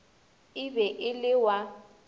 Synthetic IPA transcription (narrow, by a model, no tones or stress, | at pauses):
ɪbɛʔɪlɪwa